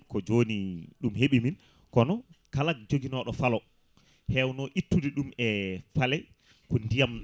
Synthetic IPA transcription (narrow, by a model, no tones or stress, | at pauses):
kɔd͡ʒoniɗumheɓimin | kɔnɔkalak̚d͡ʒoɡinɔɗɔfalɔ | hɛwnɔʔitːudiɗumɛfalɛj | kɔndijam